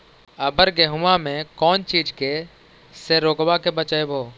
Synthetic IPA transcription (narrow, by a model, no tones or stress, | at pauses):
əbəɾɡeɦʊãmẽkɔːnt͡ʃiːd͡ʒke | seɾoːkʋakebət͡ʃaebʱoː